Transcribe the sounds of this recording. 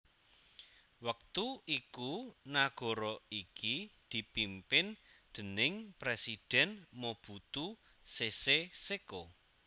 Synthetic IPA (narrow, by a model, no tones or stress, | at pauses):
wək̚t̪uikunaɡ̥ɔ̤ɾɔikid̪̥i̤pimpɪnd̪̥ə̤nɪŋpɾesid̪̥ɛnmob̥ut̪u | seseseko